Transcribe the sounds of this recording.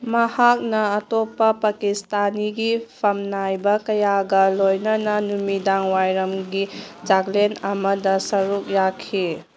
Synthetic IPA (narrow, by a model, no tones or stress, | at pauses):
mɐhak̚nɐːtopːɐpɐkistaniɡipʰɐmnajbɐkɐjaɡɐlojnɐnɐnumidaŋwajɾɐmɡid͡ʒaɡlenɐmɐdɐsɐɾuk̚jakʰi